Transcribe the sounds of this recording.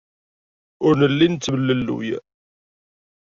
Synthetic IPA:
ʊɾnəlːint͡sːvəlːəlːṵj

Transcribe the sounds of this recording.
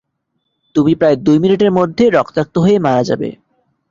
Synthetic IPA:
t̪umipɾaed̪ujminiʈeɾmod̪ʱːeɾɔkt̪ak̚t̪oɦoemaɾad͡ʑa̰bḛ

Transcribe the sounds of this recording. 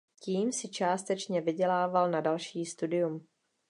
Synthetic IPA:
ciːmsɪt͡ʃaːst̪ɛt͡ʃɲɛvɪɟɛlaːvalnadalʃiːst̪udɪjum

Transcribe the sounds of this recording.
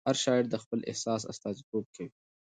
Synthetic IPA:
haɾʃɑɪɽd̪əxpəlʔɪ̰hsɑsa̰st̪ɑzit̪ob̚kawi

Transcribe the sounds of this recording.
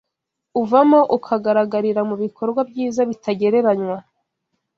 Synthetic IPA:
uvamo̞ʔukʰaɡaɾaɡaɾiɾamuβikʰo̞ɾɡwab̚ɟiːzaβitʰaɟe̞ɾe̞ɾaɲwa

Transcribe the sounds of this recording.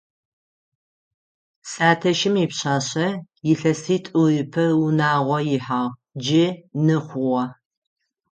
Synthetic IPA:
sʼaːtʰɐʃɪmɪpɕaːɕɐ | jɪɬɐsiːtʼuɪpʰɐwʊnaːʁʷɔjɪħaːʁd͡ʒɪnɨχʷʊʁɐ

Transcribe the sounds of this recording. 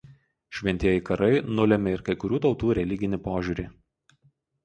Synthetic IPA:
ʃʲʋʲɛnʲt̪ʲiɛjɛkɐɾɐɪnʊlʲɛmʲɪɪɾkɐɪkʊɾʲuːt̪ɒʊt̪uːɾʲɛlʲɪɡʲɪnʲɪpoːʒʲuːɾʲiː

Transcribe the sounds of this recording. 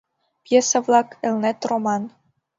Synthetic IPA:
pjesəvlɑkɘ̆lnet̪romɑn

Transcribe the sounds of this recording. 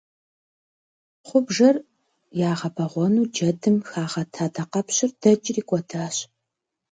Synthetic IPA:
χʷʊbʒɐr | jaːʁɐbɐʁʷɔnuːd͡ʒɐdɨmxaːʁɐtʰaːtʰɐqɐpɕɪrd̥ɐt͡ʃʼriːkʷʼɔdʰaːɕ

